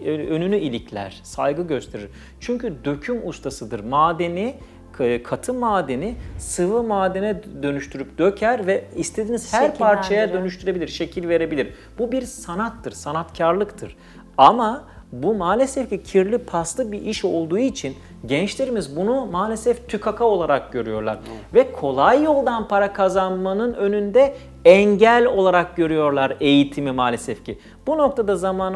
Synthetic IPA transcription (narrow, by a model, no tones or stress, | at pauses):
ønynyʔilʲicʰlʲæ̰ɾ̥sajɡɯɟø̞st̪ʰe̞ɾḭɾ̥ | t͡ʃʰyɲcʰyd̪ø̞cʰymust̪ʰasɯd̪ɯɾmaːd̪e̞ni | kʰat̪ʰɯmaːd̪e̞nisɯvɯmaːd̪e̞nɛd̪ø̞nyʃt̪ʰyɾyp̚d̪̥ø̞cʰæɾvɛist̪ʰe̞d̪iːniz̥hhæɾpʰaɾt͡ʃʰajad̪ø̞nyʃt̪ʰyɾe̞bilʲiɾʃe̞cʰilʲve̞ɾe̞bilʲiɾ | b̥ubiɾsanat̪ʰːɯɾsanat̪cʰaɾlˠɯkt̪ʰɯɾ̥ | amabumaːlʲɛsɛfcicʰiɾlʲipʰaslˠɯk̚biʔiʃo̞lˠd̪uːit͡ʃʰin | ɟɛnt͡ʃlʲe̞ɾimizbunumaːlʲesɛft̪ʰykʰakʰao̞lˠaɾak̚ɟø̞ɾyjo̞ɾlˠa̰ɾvɛkʰo̞lˠajːo̞lˠd̪anpʰaɾakʰazanmanɯnø̞nynd̪ɛ | ɛɲɟælʲo̞lˠaɾak̚ɟøɾyjo̞ɾlˠaɾe̞jit̪ʰimimaːlʲesɛfcʰi | b̥uno̞k̚t̪ʰad̪azamaːn